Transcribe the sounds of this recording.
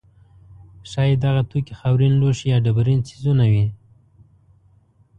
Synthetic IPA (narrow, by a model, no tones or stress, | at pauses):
ʃɑjed̪aɣat̪ukixawɾinloʃijɑɖabaɾinsi̥zunawi